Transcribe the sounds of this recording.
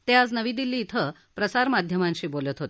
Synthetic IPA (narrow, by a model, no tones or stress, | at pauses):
t̪ead͡znəʋiːd̪ilːiːt̪ʰə | pɾəsaɾmad̪ʱjəmãnɕiːbolət̪ɦot̪